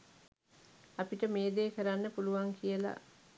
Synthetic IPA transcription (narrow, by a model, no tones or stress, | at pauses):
ɐpiʈəmeːd̪eːkəɾanːəpuluʋaŋkʰijəla̰